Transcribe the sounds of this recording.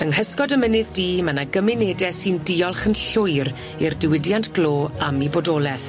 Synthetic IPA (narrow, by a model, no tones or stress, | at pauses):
əŋhəskɔdəmənɪðdiːmanaɡəmɪneːdɛsɨndiɔlˠχənɬʊɨɾ | irdɪwɪdjantʰɡ̥loːamibodɔːlˠɛθ